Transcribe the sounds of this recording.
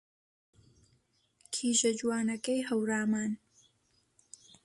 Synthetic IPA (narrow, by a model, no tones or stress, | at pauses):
kʰiːʒɐd͡ʒwaːnɐkɐjɦɐwɾaːmaːn